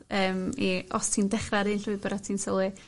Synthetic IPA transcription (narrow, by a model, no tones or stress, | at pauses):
əːmiɔstʰiːndɛχraɾɨnɬʊɨbɛɾatʰiːnsɔlˠɨ